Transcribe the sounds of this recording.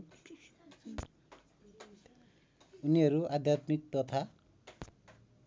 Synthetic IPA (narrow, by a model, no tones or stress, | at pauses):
uniʌɾuad̪ʱjat̪mik̚t̪ɔt̪ʰa